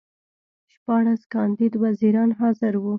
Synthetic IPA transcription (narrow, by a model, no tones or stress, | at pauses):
ʃpɑɽaskɑnd̪id̪waziɾɑnɦɑzɪɾwu